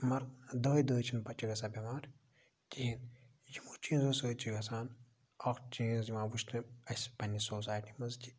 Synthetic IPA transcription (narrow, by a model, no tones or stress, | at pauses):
mɐɾd̪əːjd̪əːjt͡ʃʰinpɐt͡ʃiɡɐsaːbʲɐmaːɾ | t̪ʲiin | jimut͡ʃiːnzosəːt͡ʃiɡɐsaːn | ɐkt͡ʃiːzimaːbuʃt̪ɨɐsʲpɐnʲisoːsaːjʈimɐztʲi̥